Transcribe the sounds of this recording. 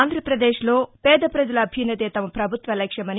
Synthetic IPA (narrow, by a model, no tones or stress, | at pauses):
nd̪ʱɾɐpɾɐd̪eːʃlo̞ːpɛːd̪ɐpɾɐd͡ʒɐlɐɐbʱjɐnːɐt̪eːt̪ɐmɐpɾɐbʱut̪ʋɐlɛkʂɐmɐni